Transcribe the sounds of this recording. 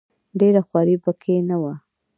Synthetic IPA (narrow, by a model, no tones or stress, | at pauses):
ɖeɾaxwɑɾibakʰenawa